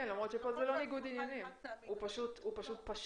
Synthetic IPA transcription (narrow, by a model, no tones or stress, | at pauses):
enlamʁot̪ʃepolzelo̞niɡud̪injanimupaʃut̪upaʃut̪̚paʃ